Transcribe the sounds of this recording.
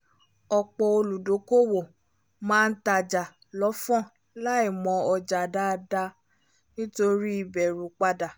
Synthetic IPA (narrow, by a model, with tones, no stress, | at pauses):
ɔ˧k͡pɔ˧o˧lu˨do˨˦ko˦˨wo˨ | mãː˦˧n̩˦ta˧˨d͡ʒa˨ | lɔ˨˦fɔ̃˦˨ | la˦i˦˨mɔ̃˧ɔ˧d͡ʒa˨da˦˧da˧ | nĩ˦to˧ɾi˦i˦˨bɛ˨ɾũ˨˦k͡pa˧da˨